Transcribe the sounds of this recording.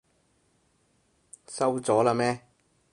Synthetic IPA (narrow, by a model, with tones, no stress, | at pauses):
sɐ˥wt͡sɔː˨˥laː˧mɛː˥